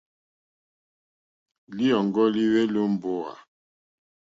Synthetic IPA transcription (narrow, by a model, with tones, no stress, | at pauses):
li˦ɔ˨ŋɡɔ˦li˦we˦lo˦m˦bo˦a̰˨